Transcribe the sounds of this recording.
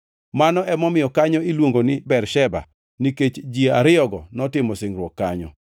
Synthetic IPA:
manɔɛmɔmɪjɔkaɲɔilwoŋɡonɪbɛrʃɛba̰ | niket͡ʃd͡ʒiaɾɪɔɡɔnɔtɪmɔsɪŋɾwɔkːaɲɔ̰

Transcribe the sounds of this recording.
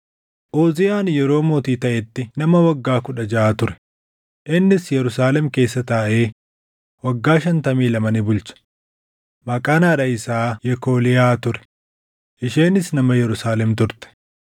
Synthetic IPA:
ʔoːzɪjaːnjɛɾo̞ːmoːt̪iːt̪ɐʔɛt̪ːɪnɐmɐwɐɡːaːkʊᶑɐd͡ʒɐʔaːt̪ʊɾɛ̥ | ʔɪnːɪsjɛɾʊsaːlɛmke̞ːsːɐt̪aːʔe̞ː | wɐɡːaːʃɐnt̪ɐmiːlɐmɐnɪbʊlt͡ʃɐ̥ | mɐkʼaːnaːᶑɐɪsaːjɛkoːlɪjaːt̪ʊɾɛ̥ | ʔɪʃeːnɪsnɐmɐjɛɾʊsaːlɛmt̪ʊɾt̪ɛ̥

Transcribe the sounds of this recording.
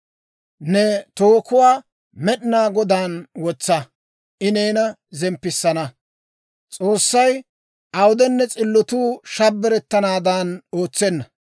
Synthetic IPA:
nɛt̪oːkʊwaː | mɛɗɪnaːɡɔd̪aːnwɔt͡sːɐ | ʔɪneːnɐ | zɛmpːɪsːɐnɐ | t͡sʼoːsːɐj | ʔɐwʊd̪ɛnːɛt͡sʼɪlːɔt̪uːʃɐbːɛɾɛt̪ːɐnaːd̪anoːt͡sːɛnːɐ

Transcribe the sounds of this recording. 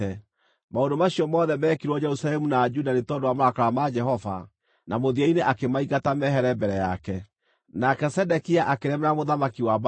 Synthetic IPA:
ɛ | maondomaɕiɔmɔːðɛmɛːkiɾwɔd͡ʒɛɾusalɛmunad͡ʒudanetɔdowamoɾakaɾamad͡ʒɛɦɔva̰ | nʔamoðiaineʔakemaiɣatamɛɦɛɾɛbɛɾɛjakɛ | nakɛsɛdɛkiaʔakeɾɛmeɾamoðamakiwab

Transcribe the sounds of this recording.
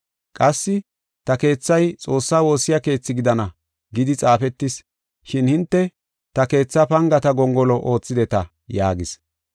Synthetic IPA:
kʼɐsːɪ | t̪ɐke̞ːt͡sːɐjt͡sʼo̞ːsːaːwo̞ːsɪjake̞ːt͡sːɪɡɪd̪ɐnɐ | ɡɪd̪ɪt͡sʼaːfɛt̪ːɪs | ʃɪnhɪnt̪ːɛ | t̪ɐke̞ːt͡sːɐpɐŋɡɐt̪ɐɡɔŋɡɔlɔʔo̞ːt͡sːɪd̪ɛt̪ɐ | jaːɡɪs

